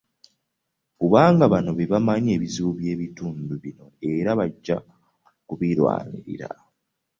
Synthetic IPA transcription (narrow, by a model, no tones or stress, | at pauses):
kuβaːŋɡaβano̞βeβamaɲe̞ːβiziβuβje̞ːβituːnduβino̞e̞ɾaβaɟːa | kuβilwa̰ːɲḭɾḭɾa̰